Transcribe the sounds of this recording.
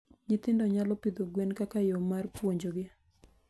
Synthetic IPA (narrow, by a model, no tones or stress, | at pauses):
ɲɪt̪ɪndɔɲalɔpid̪oɡwenkakajomarpwoɲd͡ʒoɡɪa